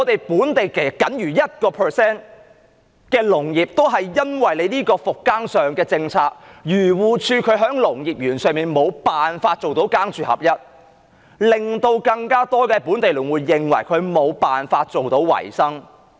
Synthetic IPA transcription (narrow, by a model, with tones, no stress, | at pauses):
ŋɔː˨˧t̪e˨jpuː˨˥nt̪e˨jke˨˩kɐ˨˥nɥyː˨˩jɐ˥t̚kɔː˧pʰəː˨˩sɛː˥n | kɛː˧lʊ˨˩ŋjiː˨p̚t̪o˥wɦɐ˨jːɐ˥nwɐ˨jle˨˧jniː˥kɔː˧fʊ˨kːaː˥ŋsœː˨˩ŋkɛː˧t͡sɪ˧ŋt͡sʰaː˧k̚jyː˨˩wuː˨˧t͡ʃʰyː˧kʰɵ˨˧˥ɥɦœː˨˥ŋlʊ˨˩ŋjiː˨˩p̚jyː˨˩nsœː˨ŋmiː˨nmo˨˧wpaː˨nfaː˧t̚t͡ʃo˨wt̪o˨˥wkaː˥ŋt͡ʃʰyː˨˧hɐ̰˨˩p̚jɐ˥t̚ | lɪ˨ŋt̪o˧wkɐ˧ŋkaː˥t̪ɔː˥kɛː˧pu˨˥nt̪e˨jlyː˨˩ŋwuː˨˧jːɪ˨ŋwɐ˨˩jkʰɵ˨˧ɥmo˨˧wpaː˨nfaː˧t̚t͡ʃo˨wt̪o˨˥wwɐ̰˨˩jsɐ˥ŋ